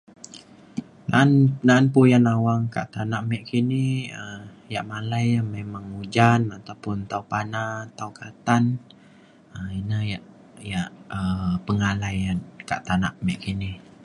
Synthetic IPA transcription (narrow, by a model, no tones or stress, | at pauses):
na̰nnaanpojanawaŋka̰ʔt̪anaʔmɛʔkiniə | jaʔmalajamemaŋud͡ʒanat̪awpʊnt̪awpanat̪awkʰat̪an | əinəjaʔ | jaʔəpəŋalajanka̰ʔt̪ana̰ʔmɛʔkini